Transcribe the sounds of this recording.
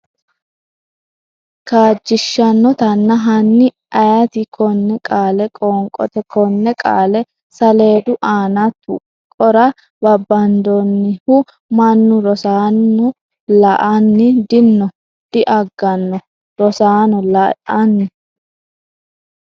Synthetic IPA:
kaːd͡ʒːɪʃːɐnːɔt̪ɐnːɐɦɐnːɪ | ʔɐjɐt̪ɪkʰɔnːɛkʼaːlɛkʼɔːŋkʼɔ̰t̪ɛkɔnːɛkʼa̰ːlɛ | sɐle̞ːd̪ʊʔaːnɐt̪ʊ̰ | kʼɔɾɐ | bɐbːɐnd̪ɔnːɪhʊ | mɐnːʊɾɔsaːnːʊ | lɐʔɐnːɪd̪ɪnːɔ | d̪̥ɪʔɐɡːɐnːɔ | ɾɔsaːnɔlɐɐnːɪ

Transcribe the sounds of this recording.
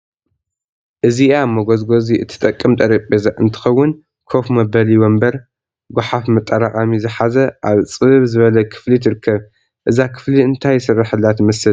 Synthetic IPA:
ʔɨziamɐɡozɡo̞ziʔɨt̪ʰːɨ̥t̪ʼɐkʼːɨmt̪ʼɐɾɐpʼezaʔɨnt̪ʰɨ̥xɐwːʊn | kʰofmɐbɐliwombɐɾ | ɡʷʊħafmɐt̪ʼːɐɾaχʼamizɨħazɐʔaβt͡sʼɨβzɨβɐlɐkʰɨ̥flit̪ʰɨɾɨkʰːɐβ | ʔɨzakʰɨ̥fliɨnt̪ʰajsɨrːaħɨlːat̪mɐsɨl

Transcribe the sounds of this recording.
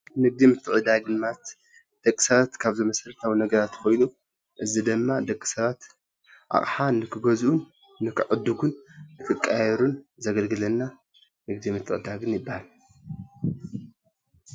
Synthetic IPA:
nɨɡ̚d̪imɨt̪ʰːɨʕɨd̪aɡɨnmat̪ | d̪̥ɐkʼːi̥sɐβat̪kʰaβzomɐsɐɾɐt̪ʰawinɐɡɐɾat̪kʰo̞jnu | ʔɨzid̪ɨmːad̪ɐkʼːi̥sɐβat̪ | ʔa̰χʼħanɨkʰɨɡɐzʔunː | ɨkʰɨʕɨd̪uɡunːɨkʰɨkʼːajɛɾunzɐɡɐlɡɨlɐnːa | nɨɡd̪imɨt̪ʰːɨʕɨd̪aɡɨnjɪbːahal

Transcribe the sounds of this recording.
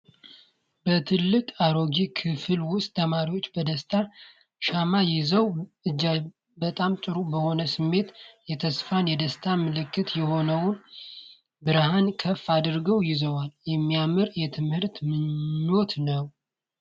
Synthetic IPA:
bət̪ʰɨlːɨkʼaɾo̞ɡikʰɨfɨlwʊst̪ʼt̪ʰəmaɾiwo̞t͡ʃːbəd̪əst̪ʰa | ʃamajɪzəwɨd͡ʒːa | bət̪ʼamt͡ʃʼɨɾubəho̞nəsɨmːe̞t̪jɛt̪ʰəsfanjɛd̪əst̪ʰamɨlɨkːɨt̪jɛho̞nəwʊn | bɨɾhankʰəfːad̪ɾɡəwjɪzəwaljɛmːijamɨɾjɛt̪ʰɨmhɨɾt̪mɨo̞t̪nəw

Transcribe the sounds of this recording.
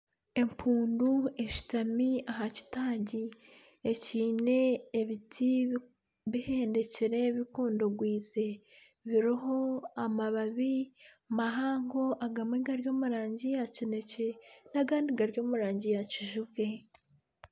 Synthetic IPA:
e̞mpʰuːndue̞ʃi̥tamiaɦaci̥taːɲɟi | eciːne̞ːβitʰi | βihe̞ːnde̞ceɾe̞βikuːndoɡwiːze̞ | βiɾiɦo̞amaβaβi | maɦaːŋɡo̞ʔaɡamiɡaɾjo̞ːmuɾaːɲɟijacine̞cenaɡaːndiɡaɾɟo̞ːmuɾaːɲɟijaciʒuɡɡe̞

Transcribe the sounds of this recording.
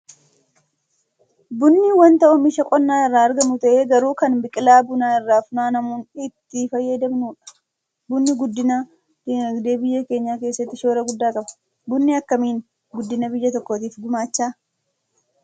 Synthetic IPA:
bʊnːiwɐnt̪ɐʔʊmɪʃɐkʼɔnːaːɪrːaːɐɾɡɐmʊt̪ɐʔeːɡɐɾuːkɐnbɪkʼɪlaːbʊnaːɪrːaːfʊnaːnɐmuːnɪt̪ːɪfɐjːɐd̪ɐmnuːᶑɐ̥ | bʊnːɪɡʊd̪ːɪna | ɐɡd̪e̞ːbɪjːɐke̞ːɲːaːke̞ːsːɐt̪ːɪʃoːɾɐɡʊd̪ːaːkʼɐbɐ̥ | bʊnːɪɐkːɐmiːn | ɡʊd̪ːɪnɐbɪjːɐt̪ɔkːoːt̪iːfɡʊmaːt͡ʃːaː

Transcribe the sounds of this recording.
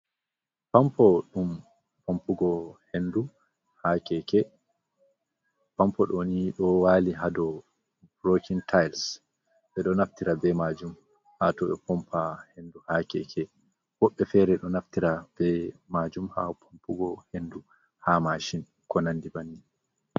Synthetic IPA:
pampɔɗum | pʰompuɡɔhendu | hakɛkɛ | pampɔɗoniɗɔwaliɦadɔ | bɾokʰintʰajls | ɓɛɗɔnaftiɾabɛmad͡ʒum | hatɔɓɛpɔmpʰahenduhakɛ̰kʰɛ | wɔɓːɛfɛɾɛɗɔnaftiɾab̥ɛmad͡ʒumha̰pʰompuɡɔhendu | hamaʃin | kɔnanːdibanːi

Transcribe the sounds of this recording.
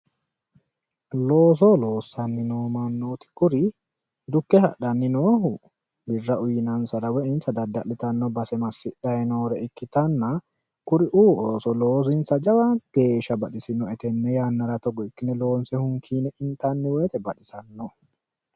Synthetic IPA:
loːs̬oloːsːɐnːɪnoːmɐnːoːt̪ɪ̥kʊɾɪ | d̪ʊkːɛhɐ̰ᶑɐnːɪnoːhʊ | bɪrːɐʔʊjɪnɐnsɐɾɐwɛʔɪnsɐd̪ɐd̪ːɐʔɪt̪ɐnːɔbɐsɛmɐsːɪᶑɐjnoːɾɛɪkːɪt̪ɐnːɐ | kʊɾɪʔuːʔoːsɔloːs̬ɪnsɐd͡ʒɐwaɡ̥e̞ːʃɐbɐᶑɪsɪnɔɛt̪ɛnːɛjaːnːɐɾɐt̪ɔɡɔɪkːɪnɛlo̞ːnsɛhʊŋkʰiːnɛʔɪnt̪ɐnːɪwɛːt̪ɛbɐᶑɪsɐnːɔ

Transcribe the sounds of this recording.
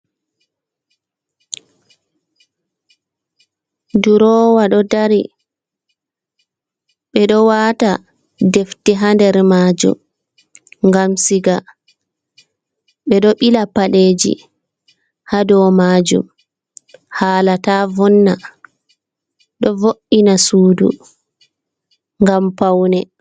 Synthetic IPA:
duɾɔːwaɗɔdaɾi | ɓɛɗɔwaːta | deftiɦandɛɾmaːd͡ʒṵm | ŋɡamsiɡa | ɓɛɗɔɓilapaɗeːd͡ʒḭ | hadɔmaːd͡ʒṵm | haːlataːvɔnːa | ɗɔvoʔinasuːdṵ | ŋɡampawnɛ

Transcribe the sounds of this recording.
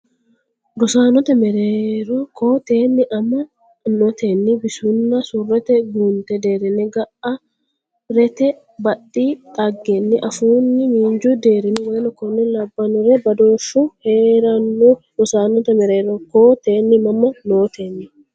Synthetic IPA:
ɡʊsaːnɔt̪ɐmɛɾeːɾɔkoːt̪e̞ːnːɪʔɐmːɐ | nɔt̪enːɪbɪsʊnːɐsʊrːɛt̪ɛɡunt̪ɛd̪e̞ːɾɛnɛɡɐʔɐ | ɾɛt̪ɛ | bɐɗːiːt̪ʼɐɡːɛnːɪʔɐfuːnːɪmiːɲd͡ʒʊd̪e̞ːɾɛnɛwɔjɐnɔkɔnːɛlɐbːɐnʊɾɛbɐd̪oːfʊheːɾɐnːʊ | ɾ̥ʊsaːnɔt̪ɐmɛɾeːɾɔkoːt̪eːnːɪmɐmːɐnoːt̪eːnːɪ

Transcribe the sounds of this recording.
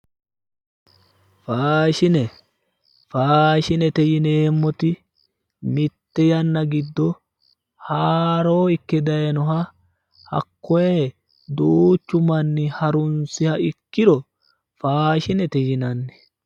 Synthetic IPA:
faːʃɪnɛ | faːʃɪnɛt̪ɛjɪneːmːɔt̪ɪ | mɪt̪ːɛjɐnːɐɡɪd̪ːɔ | haːɾo̞ːɪkːɛd̪ɐjnɔɦɐ | hɐ̰kːɔje | d̪uːt͡ʃːʊmɐnːɪhɐɾʊnsɪhɐɪkːɪɾɔ | faːʃɪnɛt̪ɛjɪnɐnːɛ̥

